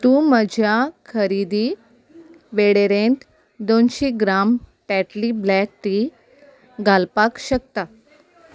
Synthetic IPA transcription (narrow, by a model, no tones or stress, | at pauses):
t̪ũməd͡ʑʱjakʰəɾid̪i | ʋeɽeɾent̪ | d̪onɕiɡɾamʈæʈliblæk̚ʈi | ɡʱalpakɕək̚t̪a